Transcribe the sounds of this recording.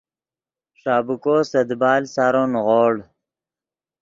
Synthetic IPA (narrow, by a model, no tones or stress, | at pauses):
ʂaːbukoːsɐd̪baːlsaːɾonɣoːɽ